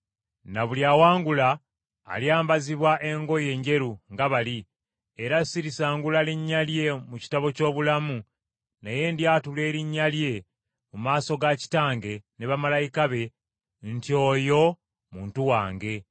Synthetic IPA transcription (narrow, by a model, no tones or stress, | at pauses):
naβuljaːwaːŋɡula̰ː | ljaːmbaziβwaʔe̞ŋɡo̞je̞ːɲɟe̞ɾuŋɡaβali | eɾasiɾisaːŋɡulaliɲːalje̞muci̥taβo̞co̞ːβulamu | neje̞ndjaːtule̞ːɾiɲːalje̞ | mumaːso̞ɡaci̥taːŋɡe̞neβamalajikaβe̞ | ntio̞ːjo̞ | muːntuwaːŋɡe̞